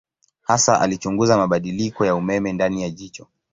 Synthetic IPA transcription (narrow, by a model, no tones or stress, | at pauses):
hasaʔa̰lit͡ʃuŋɡuzamaɓaɗilikɔjaumɛmɛndanijaʄit͡ʃɔ